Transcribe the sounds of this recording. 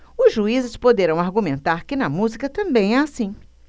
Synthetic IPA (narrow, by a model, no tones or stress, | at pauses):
ʊzʒuizɪspod̪eɾɐ̃w̃aɾɡumẽnt̪aɾkɪnɐmuzikɐt̪ɐ̃mbẽj̃ɛasĩ